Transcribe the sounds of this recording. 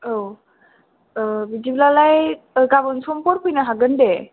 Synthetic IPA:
ow | bidiblalaj | ɡabɯnsɔmpɔɾkʰujnaɦaɡɯnde

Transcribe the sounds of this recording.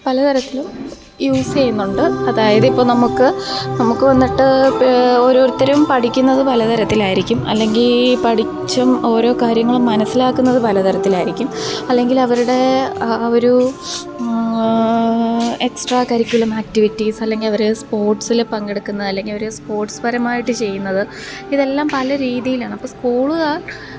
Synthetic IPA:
pɐlɐt̪ɐɾɐt̪ːilum | juːsejunːuɳɖɨɐðaːjɐðɨipːo̞ːɭnɐmukːɨnɐmukːɨʋɐnːiʈːɨ | o̞ːɾo̞ːɾut̪ːɐɾɐmpɐʈʰikʲːunːɐðɨpɐlɐt̪ɐɾɐt̪ːilaːjiɾikʲːumɐ̰lːe̞ŋɡilpɐʈʰi | t͡ɕːɐmo̞ːɾo̞ːkaːɾjɐŋːɐɭumːɐnɐsːilaːkːunːɐðɨpɐlɐt̪ɐɾɐt̪ːilaːjiɾikʲːumɐlːe̞ŋɡilɐʋɐɾuɽe̞ | oɾu | e̞ksʈraːkɐɾikʲːjulɐmaːk̚tiʋitːisɐlːe̞ŋɡilɐʋɐɾespo̞ːrʈsilpɐŋɡeɽukːunːɐðɨɐlːe̞ŋɡilɐoɾespo̞ːrʈspɐɾɐmaːjiʈːɨt͡ɕe̞jːunːɐðɨ | iðe̞lːaːmpɐlɐɾiːðijilaːɳɨɐpːoːskuːɭɨɣa

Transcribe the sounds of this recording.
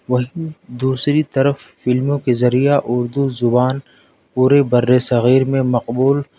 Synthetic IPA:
ʋɐɦĩd̪uːsɾit̪ɐɾəfːɪlmõkezɐɾijaʔʊɾd̪uzʊbaːn | puːɾebɐɾːesɐɣiːɾmẽmɐqbuːl

